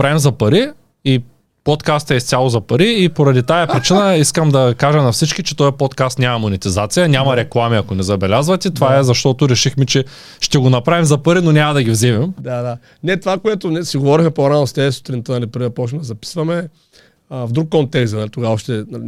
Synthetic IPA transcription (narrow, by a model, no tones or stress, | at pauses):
pɾaɛmzɐpɐɾi | i | pot̪kast̪ɛist̪sʲalˠozɐpɐɾiːpoɾɐd̪it̪ajɐpɾit͡ʃinəiskəmd̪ɐkaʒənɐfsit͡ʃkit͡ʃɛt̪ɔjɐpot̪kast̪nʲamɐmonɛt̪izat̪sijɐnʲamɐɾɛklˠamiɐkonɛzɐbɛlʲazvɐt̪ɛt̪vaɛzɐʃt̪ɔt̪ʊɾɛʃixmɛt͡ʃɛ | ʃt̪ɛɡonɐpɾavimzɐpɐɾinonʲamɐd̪ɐɡʲivzimɛmd̪ad̪a | nɛt̪ovakoɛt̪onɛsiɡovɔɾixmɛpoɾanost̪ɛɛsʊ̥t̪ɾint̪ənalipəɾiɐpɔt͡ʃɛmd̪ɐzɐpi̥svɐmɛ | vd̪ɾukːɔnt̪ɛkst̪nalit̪oɡaɔʃt̪ɛn